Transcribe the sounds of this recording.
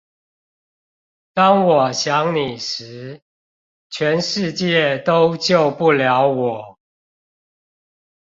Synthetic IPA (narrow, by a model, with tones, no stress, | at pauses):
t̪ɑ˦ŋwɔ˨˩ɕjɑ˨˦ŋni˨˩ʂɻ̩˨˦ | t͡ɕʰɥɛ˨˦nʂɻ̩˥˧t͡ɕjɛ˥˨t̪o˦ʊt͡ɕjo˥˨ʊpu˥˨ljɑ˨˦ʊwɔ˨˩˦